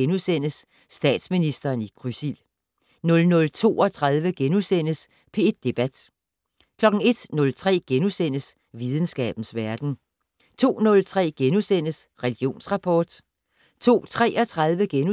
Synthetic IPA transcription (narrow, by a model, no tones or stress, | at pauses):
enusen̰əsː | d̥ɛ̰ːd̥sminisd̥ɐːniɡ̥ʁysil | nɔ̽lnɔ̽lt͡sʰo̝̰ːɒt͡sʰʁɑ̈ðˠʋəɡ̥enusen̰əs | pʰe̝ed̥̚ːe̝b̥æd̥ | kʰlɒ̽ɡ̥ŋ̩e̝d̥nɔ̽lt͡sʰʁɛ̰ːɡ̥enusen̰əs | ʋið̞ˠn̩sɡ̥ɛ̰ːb̥n̩sʋæɐd̥n̩ | t͡sʰo̝̰ːnɔ̽lt͡sʰʁɛ̰ːɡ̥enusen̰əsʁɛliɡ̥jo̝̰ːnsʁɑ̈pʰɒːd̥ | t͡sʰo̝̰ːt͡sʰʁɛ̰ːɒt͡sʰʁɑ̈ðˠʋəɡ̥enu